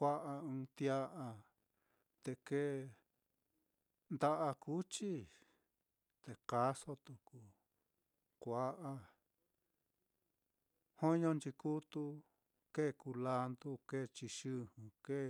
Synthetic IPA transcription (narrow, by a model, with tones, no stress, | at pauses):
kʷa˦ʔa˧ɨ̃˧t̪ja˦ʔa˧ | t̪e˧ke˦˧ | nd̪a˦ʔa˧ku˦t͡ʃi˦ | t̪e˨ka˦so˦t̪u˨ku˨ | kʷa˦ʔa˧ | hõ˦ɲõ˧nt͡ʃi˧ku˦t̪u˧ | ke˦˨ku˧la˧nd̪u˦ke˦˨t͡ʃi˧ʃɨ˦hũ˧ke˦˨